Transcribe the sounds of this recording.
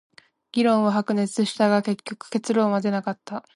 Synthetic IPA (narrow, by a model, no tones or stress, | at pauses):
ɡ̥ʲiɾõ̞ɰ̃βaɦakɯ̟ne̞t͡sɨɕi̥t̪aɡake̞kʲːo̞kɯ̟̥ke̞t͡sɨɾo̞ːmad̪e̞nakat̪ːa